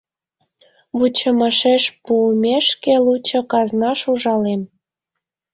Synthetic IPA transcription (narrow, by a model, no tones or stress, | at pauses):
βut͡ɕəməʃeʃpulmʲeʃkelut͡ɕŏkɑznɑʃuʒɑlem